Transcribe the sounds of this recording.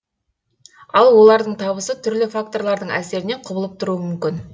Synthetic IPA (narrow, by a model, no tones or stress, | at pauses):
ɑlˠwo̞lˠɑɾd̪əɴt̪ʰɑβəsət̪ʰʏɾlɪfak̚t̪o̞ɾlˠɑɾd̪əɴæ̰se̞ɾɪne̞ɴqʰʊbəlˠəp̚t̪ʰʊɾuəmʏmkʲɪn